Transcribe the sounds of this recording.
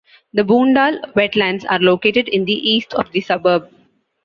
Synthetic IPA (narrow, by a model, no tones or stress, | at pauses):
d̪əbũːɳɖaːlʋɛʈlæ̃ɳɖza̰ːɾloːkeːʈeɖɪ̃nd̪iʔiːsʈʰɔ̰ːʋd̪isʌbəɾb̚